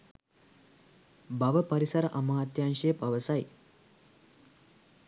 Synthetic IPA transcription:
bɐʋəpɐɾisɐɾɐʔɐmɐɦat̪janʃeːpɐʋəsaj

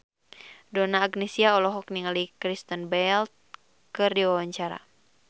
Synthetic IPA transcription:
dɔnaːɡnɛsiaɔlɔɦɔk̚niŋalikɾist̪ənbɛlt̪̚ | kərdiwawaɲt͡ʃaɾa̰

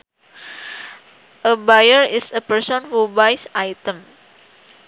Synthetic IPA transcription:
ʔəbajəɹɪsəpəɹsɔ̃nfubajsajt̪ə̃m

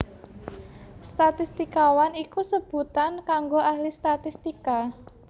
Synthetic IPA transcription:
st̪at̪ist̪ikawanikusəb̥ṳt̪ankaŋɡoʔahlist̪at̪ist̪ika

